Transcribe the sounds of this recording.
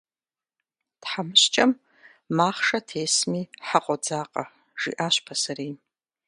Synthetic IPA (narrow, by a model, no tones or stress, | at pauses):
tħamɨɕt͡ʃʼɐmː | aːχʂɐtʰeːsmiːħaqʷʼɔd͡zaːqʼɐ̰ | ʒ̥ḭːʔaːɕpʰɐsɐɾeː